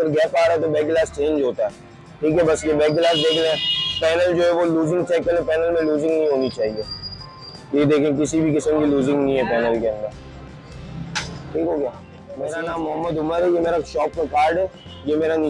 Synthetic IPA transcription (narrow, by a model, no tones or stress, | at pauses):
ɐɡəɾɡɛːpaːɾaɦɛt̪obɛːk̚ɡlaːst͡ʃẽːɲd͡ʒɦoːt̪aɦɛː | ʈʰiːkɦɛbɐsjebɛːk̚ɡlaːsbeːkleɛ̃ːpɛːnəld͡ʒoːɦɛʋoluːzɪ̃ŋɡt͡ʃɛːkəlẽpɛːnəlmẽluːzɪ̃ŋɡnəɦĩɦoːnit͡ʃaːɦieː | t̪jed̪eːkʰẽːk̬ɪsibʱikɪsəmkiluːzɪ̃ŋɡnəɦĩɦɛpɛːnəlkeə̃nd̪əɾ | ʈʰiːkɦoːɡjaː | meːɾanãːmːʊɦəmːəd̪ɦʊməɾɦɛjemeːɾaʃɔːpmẽkaːɾɖɦɛː | jemeːɾani